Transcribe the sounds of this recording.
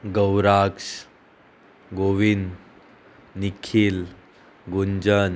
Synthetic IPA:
ɡəwɾaks | ɡoʋin | nikʰil | ɡuɲd͡ʑən

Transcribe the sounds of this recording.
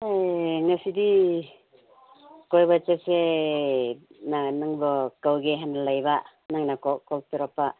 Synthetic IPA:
ajŋasidi | kojbat͡ʃet̚se | nanɯŋbɯkawɡeɦanalajba | naŋnakɔkɔlt̪uɾapːa

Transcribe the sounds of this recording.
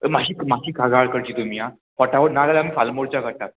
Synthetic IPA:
maɕiːkmakiːkaɡaɭkəɾt͡ɕiːt̪umia | pɔʈaʋənalalamiːfalmoɽt͡ɕaɡʱəʈ̪at̪̚

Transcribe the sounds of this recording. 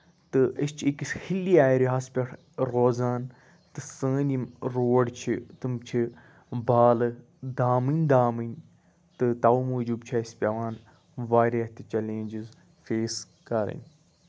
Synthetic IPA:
t̪ɨist͡ʃʰiikisʲhilːiaːiɾiɦaːspʲɐʈʰ | ɾoːzaːn | t̪ɨsə̃ːnʲimɾoːɖt͡ʃʰit̪ɨmt͡ʃʰi | baːlɨ | d̪aːmɨnʲd̪aːmɨnʲ | t̪ɨt̪aumuːd͡ʒub̚t͡ʃʰaispʲɐʋaːn | ʋaːɾɐt̪ɨt͡ʃɐlẽːnʲd͡ʒiz | feːs | kɐɾɨ̰nʲ

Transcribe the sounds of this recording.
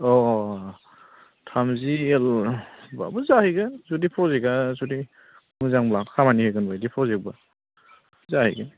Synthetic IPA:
ɔ | tʰamzielba̰bɔzahɯjɡɯnzudipʰɔzeɡazudi | mɯzaŋblaŋkʰamanihɯjɡɯnbajdipʰɔzek̚ba | zahḭjɡɯn

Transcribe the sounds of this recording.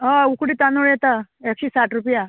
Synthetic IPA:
ɦaukɽiːt̪anoɭjɛt̪aekɕiːsaʈɾupja

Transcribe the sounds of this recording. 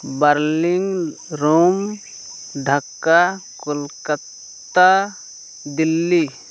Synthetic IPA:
bəɾlɪŋɡ | ɾoːm | ɖʱəkːakʊlkət̪ː | a | d̪ɪlːi

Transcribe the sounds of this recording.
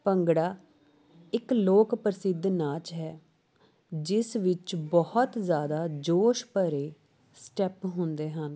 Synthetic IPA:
pəŋɡɽaː | ɪkloːkpəɾəsɪd̪ːnaːt͡ʃɦɛː | d͡ʒɪsʋɪt͡ʃbɔhɔt̪zjaːd̪aːd͡ʒoːʃpəɾeː | sʈɛpɦʊ̃nd̪eːɦən

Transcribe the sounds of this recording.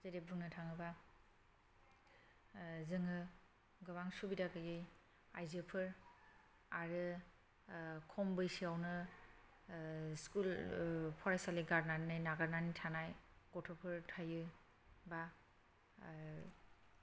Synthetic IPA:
zeɾebɯŋnɯtʰaŋɯba | zɯŋɯ | ɡɯβaŋsubidakɯjɯj | ajzepʰɯɾ | aɾɯ | kʰɔmbɯjsiawnɯ | skulpʰɔɾajsaliɡaɾnanɯjnaɡaɾnanitʰanajɡ̥ɔtʰɔpʰɯɾtʰajɯ | ba

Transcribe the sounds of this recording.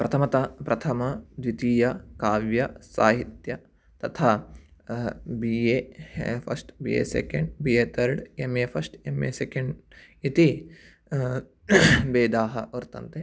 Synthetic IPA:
pɾɐt̪ʰɐmɐt̪ɐpɾʔɐt̪ʰɐmɐd̪ʋit̪iːjɐkaːʋjɐsaːɦit̪jɐ | t̪ɐt̪ʰaː | biːjeːpʰɐ̰ɾsʈbiːḛːsḛkeɳɖbieːt̪ʰɐɾɖemeːpʰɐɾsʈemeːsekɐɳɖ | it̪i | beːd̪aːɦɐʋɐɾt̪ɐ̰nt̪e

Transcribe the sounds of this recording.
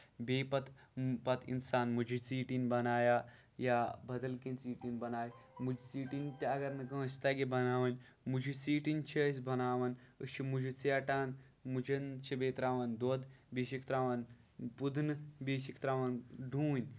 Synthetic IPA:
beːpɐt̪pɐt̪ʰḭnsaːnmud͡ʒit͡siːʈinbɐnaːja | jabɐd̪ɐlkint͡siːʈinbɐnaːjmud͡ʒt͡siːʈint̪aɐɡɐɾnɐkə̃əst̪aɡebɐnaːʋɐnʲ | mud͡ʒit͡siːʈint͡ʃʰɐsʲbɐnaːʋɐnə̰ʃimud͡ʒʱit͡seɐʈaːn | mud͡ʒɐnt͡ʃʰibeːt̪ɾaːʋɐnd̪oːd̪beːʃikt̪ɾaːʋɐn | pud̪nɨbeːʃikt̪ɾaːʋɐnɖuːnʲ

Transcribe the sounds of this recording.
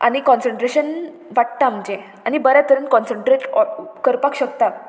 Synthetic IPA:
a̰ñikɔ̃nsəɳʈɾeɕən | ʋaʈ̚t̪am̤əd͡ʑe | añibəɾat̪əɾəːnkɔ̃nsəɳʈɾeʈɔkəɾpakɕək̚t̪a

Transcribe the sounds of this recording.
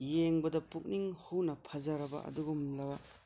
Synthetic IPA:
jeŋbɐdɐpuk̚niŋhunɐpʰɐzɐɾɐbɐ̰ʔɐ̰duɡumlɐwa

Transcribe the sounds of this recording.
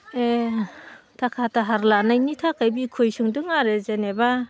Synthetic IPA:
e | tʰakʰataɦaɾlanajnitʰakʰajbikʰojsɯŋdɯŋaɾezeneba

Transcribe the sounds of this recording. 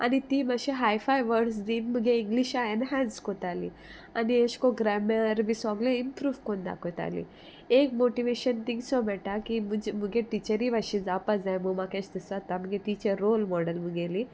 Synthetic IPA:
a̰nit̪iːmɐʃiɦajfʰajʋəɾɖs̬d̪inmuɡeiŋɡliʃaenɦanskot̪aːli | anieʃkoɡɾɛmeɾbisɔɡleimpɾuːʋkond̪a̰kot̪a̰ːlḭ | eːkmoʈiʋeʃɐnt̪iŋɡsɔbɛʈakimud͡ʒmuɡeʈit͡ʃəɾiʋɐʃid͡zapazajmumaket͡ʃd̪isʋat̪ɐmɡeʈit͡ʃeɾoːlmɔɖəlmuɡeli

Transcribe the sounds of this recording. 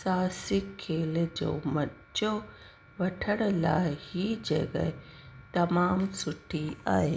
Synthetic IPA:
saːsikʰːeːld͡ʒo̰ːmɐt | t͡ʃoː | ʋɐʈʰəɽla̰ːhid͡ʒḛɡɐ̰t̪ɐmaːmsʊʈʰːia̰ːeː

